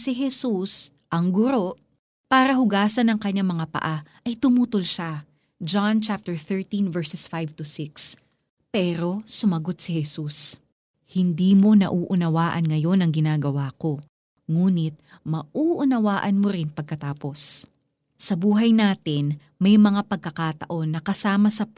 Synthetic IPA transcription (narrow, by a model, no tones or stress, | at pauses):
sɪɦɛsus | ʔɐŋɡʊɾo̞ʔ | paːɾɐɦʊɡaːsɐnɐŋkɐɲːamɐŋapɐ̰ʔaʔɐjt̪ʊmuːt̪olʃa | d͡ʒant͡ʃap̚t̪ɛɹθɛɹt̪invɛɹsɛsfajvt̪ʊsɪks | pɛːɾo̞sʊmɐɡo̞t̪̚sɪhɛsus | hɪnd̪iːmo̞nɐ̰ʔuːʔʊnɐwaːʔɐnŋɐjo̞nɐŋɡɪnaːɡɐwaːko̞ | ŋuːnɪt̪̚ | mɐʔuːʔʊnɐwaːʔɐnmoɾɪnpɐɡ̚kɐt̪aːpo̞s | sɐbuːɦɐjnaːt̪ɪn | mɐjmɐŋapɐɡ̚kɐkaːt̪ɐ̰ʔo̞nːɐkɐsaːmɐsɐ